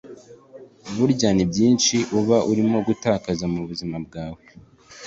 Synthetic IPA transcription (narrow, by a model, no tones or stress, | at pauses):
uβuɾɟaːnibɟiːnʃiʔuβaʔuɾimo̞ɡutaːkazamuβuzimab̚ɡaːwe